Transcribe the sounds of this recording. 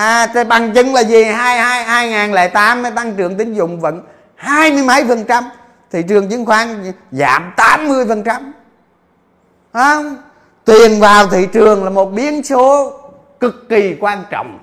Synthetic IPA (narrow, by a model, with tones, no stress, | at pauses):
ʔaː˨˩˧ɓa˨˩ŋt͡ɕɨ˨˧ŋlaː˨˩zi˨˩haː˧jhaː˧jhaː˧jŋaː˨˩nlɛ˨˦t̪aː˨˦mːə˨˦jt̪a˧ŋt͡ɕɨ˨˩əŋt̪ï˨˦ŋ̟zʊ̰˧˨wŋ͡mvə̰˧˥n | haː˧jmɨ˧əjmə˨˦jfə˨˩nt͡ɕa˧m | t̪ʰḭ˧˨t͡ɕɨ˨˩əŋt͡ɕɨ˧˦ŋxwaː˨˦˥ŋza̰ː˧˦mt̪aː˨˦mːɨ˧əjfə˨˩nt͡ɕa˧m | a˧˦˧wŋ͡m | t̪wi˨˩ənvaː˨˩wt̪ʰḭ˧˨t͡ɕɨ˨˩əŋlaː˨˩mo˨˩t̚ɓi˨˦ənso˨˦ | kɨ˨˩kːi˨˩kwaː˧nt͡ɕɔ̰˧˨wŋ͡m